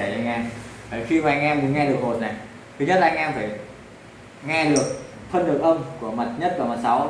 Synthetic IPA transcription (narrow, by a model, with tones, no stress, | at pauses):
e˧˩t͡ɕɔ̰˧ŋʔɛ˧mt̪ʰaː˧˩xi˧maː˨ʔa˧ŋʔɛ˧mːu˨˦ənŋɛ˧ɗɨ˨˩ək̚ɦo˨˩t̚na˨˩j | t̪ʰɨ˨˦ɲə˦˥t̚laː˨˧˦ŋ̟ʔɛ˧mfaː˧˩j | ŋɛ˧ɗɨ˨˩ək̚ | fʰə˧nɗɨ˨˩ək̚ʔə˧mku˧˩əma˨˩t̚ɲə˦˥t̚vaː˨˩ma˨˩t̚sa˨˦w